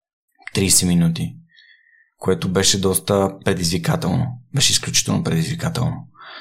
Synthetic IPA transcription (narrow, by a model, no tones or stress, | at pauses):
t̪ɾisɛminut̪i | koɛt̪obɛʃɛd̪ɔst̪əpɾɛd̪izvikat̪ɛlˠno̰bɛʃɛisklʲut͡ʃi̥t̪ɛlˠnopɾɛd̪izvikat̪ɛ̰lˠno